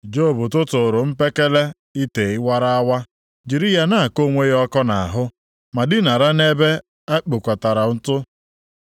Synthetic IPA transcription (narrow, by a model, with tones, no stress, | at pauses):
d͡ʒo˦˨bʊ˨tʊ˦tʊ˨ɾʊ˨m̩˦pe˦ke˦le˦ | i˦te˨ɪ˦wa˦ɾa˦a˦wa˦ | d͡ʒi˨ɾi˦ja˨na˦a˨ko˦˨ŋʷe˦ɔ˦kɔ˦na̰˨ɦʊ˦ | ma˨dɪ˦na˨ɾa˦ne˦be˦ | a˦k͡pʊ˨kʷa˨ta˨ɾa˨n̩˦tʊ˦